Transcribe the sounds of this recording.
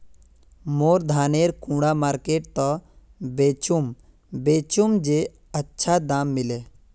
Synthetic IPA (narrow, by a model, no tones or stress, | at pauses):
moːɾd̪ʱaːneɾkũːɽamaːɾkeːʈ̚t̪ɔ | beːt͡ʃum | beːt͡ʃumd͡ʒe | ətːʃʰad̪aːmːɪleː